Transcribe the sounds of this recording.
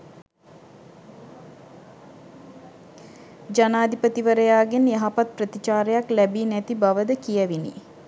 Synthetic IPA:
d͡ʒanaːd̪ʱipət̪iʋəɾəjaːɡenjaɦapat̪̚prət̪it͡ʃaːɾəjaklæbiːnæt̪ibaʋəd̪əkijəʋinḭ

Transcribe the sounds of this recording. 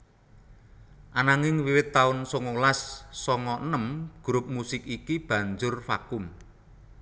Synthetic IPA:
ʔanaŋɪŋwiwɪt̪ːaʊnsɔŋolasːɔŋɔnəmɡ̥ɾʊp̚musɪkikib̥a̤ɲd͡ʒʊrfa̰kʊm

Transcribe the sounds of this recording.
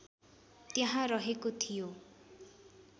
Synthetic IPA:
t̪jaɦãɾʌɦekot̪ʰijo

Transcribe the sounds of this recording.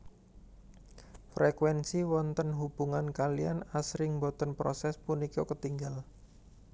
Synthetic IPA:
fɾɛkwɛnsiwɔnt̪ənɦub̥uŋankalia̰nasɾɪŋbɔt̪ɔnpɾɔ̰sɛspunikokət̪iŋɡal

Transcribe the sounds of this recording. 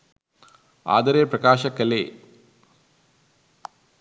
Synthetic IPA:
a̰ːd̪ɐɾeprɐkaːʃɐkːɐle

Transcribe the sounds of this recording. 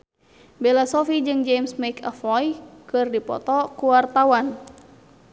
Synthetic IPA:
belasɔfid͡ʒɨŋd͡ʒemsmakʰəfɔjkɨrdipɔ̰t̪ɔkuwart̪awan

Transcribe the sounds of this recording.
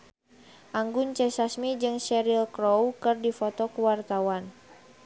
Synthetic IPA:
ʔaŋɡunt͡ʃɛsasmid͡ʒɨŋsɛɾilkɾɔwkɨrdifɔt̪ɔkuwart̪awan

